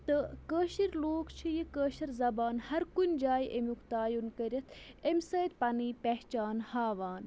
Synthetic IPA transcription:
t̪ɨkəːʃiɾloːkt͡ʃʰijikəːʃɐɾzɐbaːnhɐɾkunʲd͡ʒaːjiʔemukt̪aːjunkɐɾʲɐt̪ʰemʲsɐːt̪̚pɐniːpeɦt͡ʃaːnhaːʋaːn

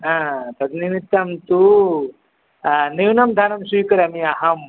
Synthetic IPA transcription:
ɦãt̪ɐd̪nimit̪ːɐmt̪u | niwnɐmd̪ʱaːnɐmsiːkɐɾɐmiaɦɐm

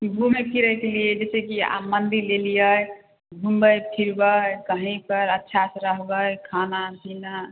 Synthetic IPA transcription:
kiɡumekiɾəɦɛkeliəd͡ʒesekia̰mːənd̪iɾlelijəj | ɡʱumbəjpʰiɾbəjkəɦĩpəɾətːʃʰasəɾəɦbəjkʰanabʱina

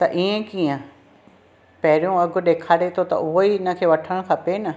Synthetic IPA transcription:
t̪ɐʔiːẽkiːə̃ | pɐɦɪɾijũɐɡʊ̆ɗeːkʰaːɽet̪ʰot̪ɐ̰ʊɦoiɪnə̆kʰeːʋɐʈʰəɽ̃kʰɐpenɐ

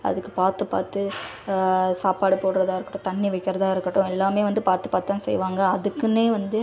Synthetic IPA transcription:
ɐ̰ðɯkːɯpaːɾt̪ɯpa̰ːɾt̪ɯ | saːpaːɽɯpoːɽɯɾɐðaːɪɾɯkːɐʈːʊ̃t̪ɐɳːiʋɐɪkːɪɾɐðaːɪɾɯkːɐʈːʊ̃ɛlːaːmeːʋɐnd̪ɯpaːɾt̪ɯpaːɾt̪ːaːŋɐsɛ̰jʋaːŋɡɐɐðɯkːɯneːʋɐnd̪ɯ

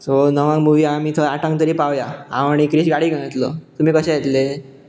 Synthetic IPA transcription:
sonəʋãŋɡmuʋiamiːt̪ʰəaʈãŋɡt̪əɾiːpaʋjaãʋaɽ̃ikɾiɕɡaɽiːɡʱəñət̪lɔt̪um̤iːkəɕẽjet̪le

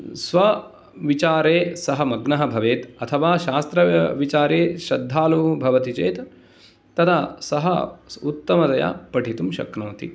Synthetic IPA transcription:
sʋɐ | ʋit͡ʃaːɾeːsɐɦɐmɐɡnɐɦɐbʱɐʋeːt̪ɐt̪ʰɐʋaːʃaːst̪ɾɐʋit͡ʃaːɾeːʃɐd̪ʱːaːlubʱɐʋɐt̪it͡ʃeːt̪ː | ɐt̪ʰasɐɦɐut̪ːɐmɐt̪ɐja̰pɐʈʰit̪umʃɐ̰knoːt̪ḭ

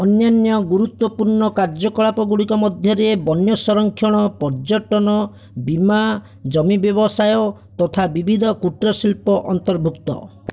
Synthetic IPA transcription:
ɔnjanjɔɡuɾut̪wɔpuɾɳɔkaɾd͡ʒɔkɔɭapɔɡuɽikɔmɔd̪ʱjɔɾebɔnjɔsɔɾɔŋkʰjɔɽ̃ɔpɔɾd͡ʒɔʈɔnɔ | bima | d͡ʒɔmibjɔbɔsajɔ | t̪ɔt̪ʰabibʱid̪ʱɔkuʈɾɔsilpɔʔɔnt̪ɔɾbʱukt̪ɔ̰

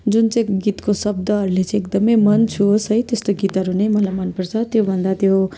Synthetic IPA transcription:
d͡zunt͡sãɡit̪kosʌb̚d̪ʌɦʌɾulet͡sãek̚d̪ʌmʌjmʌnt͡sʰusʌjt̪est̪oɡit̪ɦʌɾunʌjmʌlajmʌnpʌɾt͡sʰʌt̪jobʱʌnd̪at̪jo

